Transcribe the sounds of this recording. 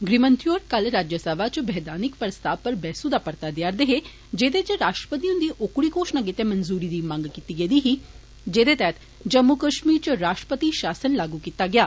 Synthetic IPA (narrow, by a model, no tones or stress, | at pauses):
ɡɾimənt̪ʰjoːɾkɐlɾaːd͡ʒjəsəʋat͡ʃbɛɦd̪aːnɪkpɾəst̪ʰaːʋpɐɾbɛːsud̪apɐɾt̪ad̪jaːɾd̪eɦe | d͡ʒeːd̪et͡ʃəɾaːʃʈɾəpət̪̬iũnd̪iːʔokɽikoːʃnaɡet̪emɐnzuːɾid̪iːmãːŋɡkit̪iɡed̪iːɦi | d͡ʒeːd̪et̪ɛːt̪ | d͡ʒɐmːukəʃmiːɾt͡ʃəɾaːʃʈɾə̥pət̪iʃaːsənlaːɡukit̪aɡjaː